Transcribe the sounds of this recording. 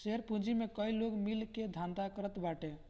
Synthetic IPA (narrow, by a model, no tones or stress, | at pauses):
seɾpũd͡ʒimekəiloɡmilked̪ʱand̪akəɾət̪baʈe